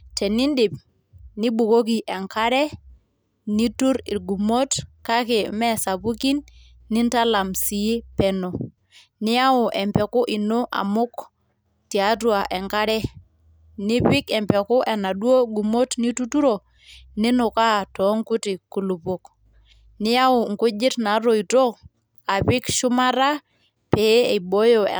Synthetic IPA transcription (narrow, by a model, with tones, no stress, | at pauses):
tɛ˨ni˦ndɪ˨p̚ | ni˦bu˨ko˦k̬i˨ʔɛ˨ŋka˦ɾɛ˦ | ni˦tu˦ɾi˨lɡu˨mo˦tka˦ke˨mɛ˦sa˨pu˦ki˦nː | ɪ˦nta˦la˨msi˨i˦pɛ˨no˨ | nɪ˦a˦ʊ˨ʔɛ˨mpɛ˨kʊ˦ʔi˨no˦ʔa̰˨mʊ˦k | ti˨a˨˦t̬wa˨ʔɛ˨ŋka˦ɾɛ˦ | nɪ˦pɪ˦kɛ˨mpɛ˨kʊ˦ʔɛ˨na˨du˦o˦ɡu˨mo˦tni˦tu˦tu˦ɾo˨ | nɪ˦nʊ˨ka˦tɔ˨˦ŋkʊ˦tɪ˨ku˨lu˨po˨k | nɪ˦ja˦ʊ˨ŋ̩˨kʊ˦d͡ʒɪ˦tna˨˦ɾo˨i˨to˦ | a˨pɪ˦kʃʊ˦ma˦ɾa˦ | pe˨˦e˨bo˦jo̰˨